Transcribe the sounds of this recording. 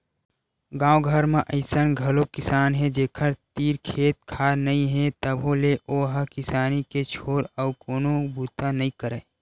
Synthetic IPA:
ɡãːoɡʱəɾmẽʔəɪsənɡʱɐlokɪsaːnɦɛd͡ʒeːkʰəɾt̪iːɾkʰeːt̪̚kʰaːnɐĩɦɛ̃t̪əbʱõleʔoɦəkɪsaːniket͡ʃʰoːɾəːkoːnobuːt̪anɐĩkəɾeː

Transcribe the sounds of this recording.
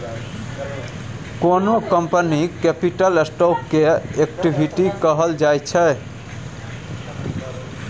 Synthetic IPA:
konokəmpənikepiʈəlesʈopkeek̚ʈibʱiʈikəɦəld͡ʒajt͡ʃʰɛ

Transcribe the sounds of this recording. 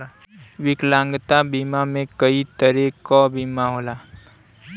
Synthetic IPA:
wɪklãːŋɡt̪abiːmamẽkəit̪əɾekɔbʱiːmaɦoːlaː

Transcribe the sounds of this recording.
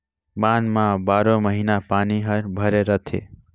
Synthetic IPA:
manmãbaɾomʌɦinapaniɦʌɾbʱʌɾeɾʌt̪ʰḛ

